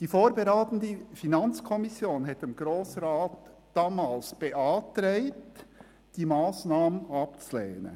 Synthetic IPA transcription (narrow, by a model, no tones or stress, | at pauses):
d̥iːfoːɾbeɾaːtən̩dəfinɑnt͡skʰɔmisjoːnɦɛtɪmɡ̥ɾoːsɾaːtd̥ɑːmaːlsb̥eʔɑːtɾɛɪt | d̥iːmaːsnaːmənɑp̚t͡sulɛ̰ːnə̰